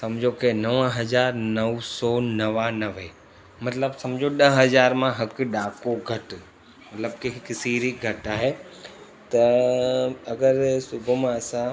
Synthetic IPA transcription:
sɐmd͡ʑʱokenɐʋə̃ɦɐzaːɾnɐʋsɔːnɐʋanɐʋe | mɐt̪ləbsɐmd͡ʑʱoɗɐɦɐzaːɾmãɦɐkʊɗaːkoɡʱɐʈ | mɐt̪ləb̚kiɦɪksiːɾiɡʱɐʈaːɦe | t̪ɐ | ɐɡəɾsʊbʱmãɐsã

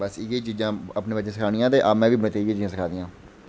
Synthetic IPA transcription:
bəsiːɡet͡ʃiːzãːəpnẽːbətːt͡ʃẽːsɪkʰaːɽɪiːãːt̪eːʔaːmɛ̃ːʋiːbəɽ̃eːt̪eiːɡeːt͡ʃiːzãːsɪkʰaːd̪iːãː

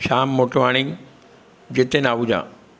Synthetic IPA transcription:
ʃaːmːoʈʋaːɽ̃ɪ̃ŋ | d͡ʑet̪enaːʋud͡ʑã̰ː

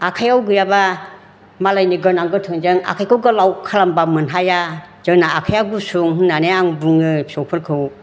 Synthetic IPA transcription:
akʰajawɡɯjaba | malajniɡɯnaŋɡɯtʰɯŋd͡ʒɯŋa̰kʰajkʰɯwɡɯlawkʰalambamɯnɦaja | z̥ɯŋnaːkʰajawɡusuŋhɯnnanejaŋbuŋɯpʰi̥sɔwpʰɯlkʰɯw

